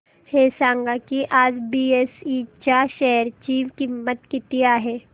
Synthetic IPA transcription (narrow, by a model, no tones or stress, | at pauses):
heːsãːŋɡakiʔaːd͡ʒbiːeːsit͡ʃaʃɛɦəɾt͡ʃiːʋkimːət̪kɪt̪ijaːɦɛː